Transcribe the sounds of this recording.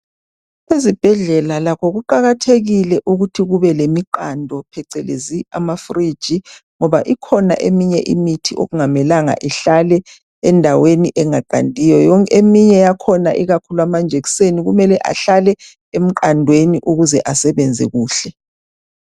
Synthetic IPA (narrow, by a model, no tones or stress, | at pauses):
wezib̥ʱɛɮɛlalakʰɔɣuǃaɣatʰeɣilɛʔuɣutʰiɣuβɛlemiǃandʱɔpʰɛǀɛlḛzia̰mafri̥d͡ʒ̥ʱiŋɔβaʔikʰɔna̰ʔḛmiɲɛʔḭmitʰiʔo̰ɣuŋamɛlaŋa̰ʔiɬalɛ | ɛndʱaweniʔɛŋaǃa̰ndʱijɔjɔŋkʰemiɲɛjakʰɔnaʔiɣakʰuluamand͡ʒʱeɣi̥seniɣumɛlɛʔa̰ɬalɛ | em̩ǃandʱweniʔuɣuzɛʔasɛβɛnd͡zʱɛ̰ɣuːɬɛ